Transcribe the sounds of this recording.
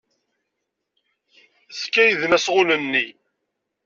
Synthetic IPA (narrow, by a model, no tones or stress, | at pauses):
skːæjðnæsʁʊlənːi